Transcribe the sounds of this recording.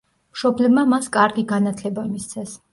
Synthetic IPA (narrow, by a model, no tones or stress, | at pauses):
mʃɔblɛbmamaskʼaɾɡiɡanat̪ʰlɛbamist̪sʰɛs